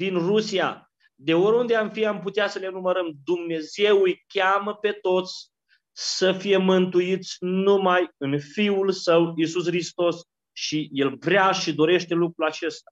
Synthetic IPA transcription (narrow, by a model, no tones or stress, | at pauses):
d̪inrusia̰ | d̪e̞oɾund̪e̞amfiamput̪easəle̞numəɾəmd̪umne̞ze̞ujkʲaməpe̞t̪o̞t̪sʲ | səfije̞mɨnt̪ujit̪sʲnumajɨnfiulsəwisusxɾist̪o̞s | ʃije̞lvɾeaʃid̪o̞ɾe̞ʃt̪e̞lukɾulat͡ʃe̞st̪a